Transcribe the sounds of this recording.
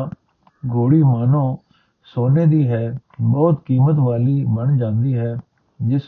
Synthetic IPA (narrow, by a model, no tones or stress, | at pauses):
ɡoːɽiːmaːnõː | soːneːd̪iːɦɛː | bɔːt̪kiːmət̪ʋaːliːbəɳd͡ʒãːnd̪iːɦɛː | d͡ʒɪs